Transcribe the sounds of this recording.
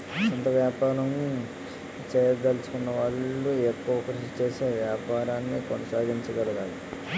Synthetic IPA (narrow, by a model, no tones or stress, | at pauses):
ɐnt̪ɐʋjaːpaːɾɐm | t͡ʃɛːjɐd̪ɐlt͡ʃu̥kunːɐʋaːɭːuekːuʋɐkuɾut͡ʃeːseːʋjaːpaːɾaːnːikonɐsaːɡiɲt͡ʃɐɡɐlɐɡaːli